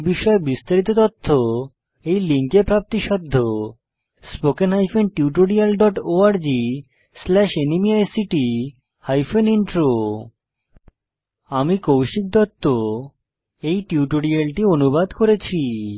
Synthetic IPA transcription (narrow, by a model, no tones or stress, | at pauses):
biʃɔebist̪aɾit̪̬ot̪ɔt̪ʰːo | ejliŋkepɾap̚t̪iʃɔd̪ʱːo | spokenɦajfenʈiuʈoɽialɖɔʈoaɾd͡ʑi | slɛʃenimiaesiʈi | hajfeniɳʈɾo | amikowʃik̚d̪ɔt̪ːo | ejʈiuʈoɾialʈionubad̪koɾet͡ɕʰi